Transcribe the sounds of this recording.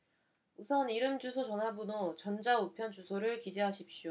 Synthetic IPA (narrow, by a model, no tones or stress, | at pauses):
usʰʌniɾɯmd͡ʑusʰot͡ɕʌnɦabunot͡ɕʌnd͡ʑaupʰjʌnt͡ɕusʰoɾɯɭkid͡ʑeɦaɕʰip̚ɕ͈o